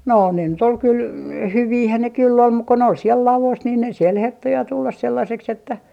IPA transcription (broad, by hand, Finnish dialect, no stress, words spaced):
no ne nyt ol kyl hyʋiːhæn ne kylː om muk ko ne ol siel lɑlos niː siel hertːo jɑ tulːɑs selːɑseks etːæ